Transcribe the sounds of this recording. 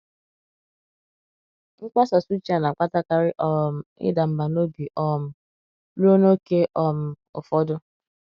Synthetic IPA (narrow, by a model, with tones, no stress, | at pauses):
ŋ̩˦k͡pʷa˦sa˨su˦t͡ʃi˦a˨na˨k͡pʷa˦ta˦ka˨ɾɪ˦ʔɔ˦m̩˦ɪ̰˦da˨m̩˦ba˨no˦bi˨ʔɔ˦m̩˦ | lu˦o˦no˦ke˦ʔɔ˦m̩˦ | ʊ̰˨fɔ˦dʊ˦